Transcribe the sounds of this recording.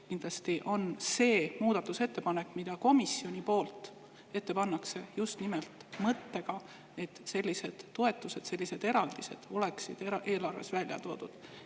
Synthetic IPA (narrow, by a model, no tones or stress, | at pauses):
kind̪̥lɑst̪iʔo̞nse̞ːmuːd̪̥ɑt̪ːˑuse̞t̪ːe̞pɑne̞kːˑmid̪̥ɑko̞misio̞nʲipo̞ːlt̪ˑ | e̞t̪ːe̞pɑnːɑkse̞just̪nimelt̪mɤt̪ːe̞ɡ̥ɑ | e̞t̪ːse̞lʲːise̞d̪̥ːo̞e̞t̪ːˑuse̞d̪̥se̞lʲːise̞d̪̥e̞ɾɑld̪̥ise̞̰d̪̥o̞leksid̪̥eʔe̞ːlɑrve̞̰svælʲjɑ̰t̪o̞ːd̪̥ud̪̥